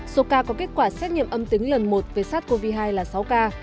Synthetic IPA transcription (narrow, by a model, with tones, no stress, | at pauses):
so˨˦kaː˧kɔ˨˦ke˦˥t̚kwaː˧˩sɛ˦˥t̚ɲḭ˧˨əmʔə˧mt̪i˨˦ŋ̟lə˨˩nmo˨˩t̚ve˨˩saː˦˥t̚ko˧vi˧ɦaː˧jlaː˨˩sa˨˦wkaː˧